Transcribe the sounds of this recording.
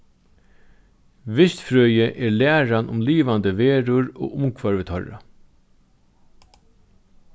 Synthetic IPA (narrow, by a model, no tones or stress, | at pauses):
ʋɪst̪fɾøːjəʔɛɹlæːɹanʊmliːʋand̪əʋeːɾʊɹo̰ːʊmkʰvaɹvɪt̪ʰɔ̰ɹa̰